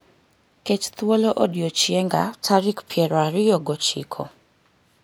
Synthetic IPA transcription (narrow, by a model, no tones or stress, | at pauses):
ket͡ʃt̪woloʔodiot͡ʃjɛŋɡa̰tʰaɾikpʰjɛɾwaɾɪjɔɡɔt͡ʃḭkʰɔ̰